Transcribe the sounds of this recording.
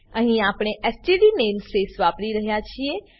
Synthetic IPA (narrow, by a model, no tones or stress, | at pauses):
ɐ̃ɦĩaːpɽ̃eʔɛsʈiɖineːmsːesʋaːpɾiɾɐɦijat͡ɕʰie